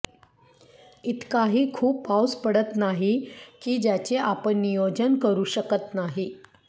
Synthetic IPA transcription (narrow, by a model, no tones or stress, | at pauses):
it̪kaɦiːkʰuːpːawspəɽət̪naɦikiːd͡ʑjat͡ɕeʔapəɳːijod͡zənkəɾuːɕəkət̪naɦi